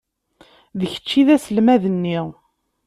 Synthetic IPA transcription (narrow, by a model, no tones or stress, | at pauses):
ðəçə̥t͡ʃːiðæsəlmæðənːiʁ